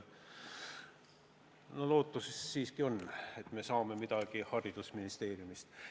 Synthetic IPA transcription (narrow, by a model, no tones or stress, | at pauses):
nolo̞ːt̪ːˑusesːiːskio̞nːe̞t̪ːme̞sɑːme̞mid̪ɑɡ̥ihɑɾid̪̥usminist̪e̞ːɾjumist̪